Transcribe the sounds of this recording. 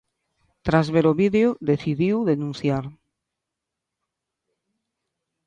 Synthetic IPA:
t̪ɾazβeɾoβiðeoðeθiðiwðenũn̟θjaɾ

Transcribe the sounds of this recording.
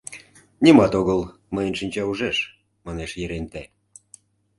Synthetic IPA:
nʲimɑt̪oɣəl | məjənʃinʲt͡ɕɑuʒeʃ | mɑneʃjeɾent̪æ

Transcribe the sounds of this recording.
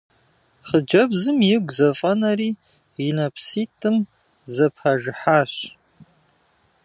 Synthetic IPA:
χəd͡ʒɐbzɨmjɪɡʷzɐfʼɐnɐɾiː | inɐpʰsiːtʰʼɨm | zɐpʰaʒɪħaːɕ

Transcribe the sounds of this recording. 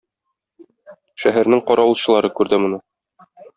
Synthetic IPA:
ʃæɦæɾnɘŋqɒɾɑwŭlˠɕɤ̆lˠɑɾɤkʉɾd̪ɘmŏnɤ

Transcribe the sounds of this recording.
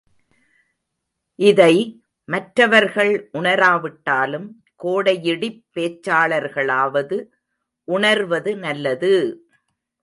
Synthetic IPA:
ʔɪðɐɪ | mɐʈɾɐʋɐɾɣɐɭʔʊɳɐɾaːʋɪʈːaːlɯm | koːɽɐjɪɽɪpːeːt͡ʃːaːɭɐɾɣɐɭaːʋɐðɯ | ʔʊɳɐɾʋɐðɯnɐlːɐðɯ

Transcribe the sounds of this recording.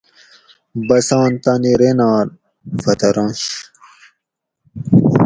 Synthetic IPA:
bɐsãːnt̪ɐniɾenaːl | fɐt̪ɐɾɐ̃ːɕ

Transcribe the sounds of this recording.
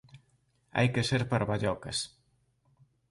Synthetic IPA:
a̰jkeseɾpaɾβaʎɔkɐs

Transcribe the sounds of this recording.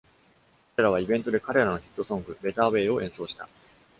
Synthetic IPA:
kaɾe̞ɾaβaibẽ̞nt̪o̞d̪e̞kaɾe̞ɾano̞çʲi̥t̪ːo̞sõ̞ŋɡɯ̟be̞t̪aːβe̞ːo̞ʔẽ̞ɰ̃so̞ːɕi̥t̪a̰

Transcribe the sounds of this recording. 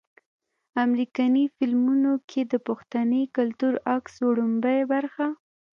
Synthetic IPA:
amɾikɑnifɪlmunokʰed̪əpʊxt̪anəkalt̪uɾaksoɽumbajbaɾxa

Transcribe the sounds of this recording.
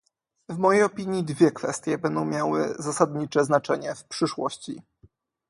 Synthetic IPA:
vmɔjejɔpʲiɲjid̪vʲjɛkfɛ̰st̪ʲjɛbɛnd̪ɔ̃w̃mʲjawɘ̰zasad̪ɲit͡ʂɛznat͡ʂɛɲɛfpʂɘʂwɔ̰ɕt͡ɕḭ

